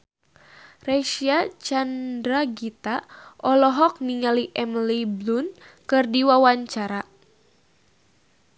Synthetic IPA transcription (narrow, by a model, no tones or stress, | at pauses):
rɛʃiat͡ʃandɾaɡit̪aʔɔlɔɦɔk̚niŋaliʔɛmliblun | kɨrdiwawaɲt͡ʃaɾa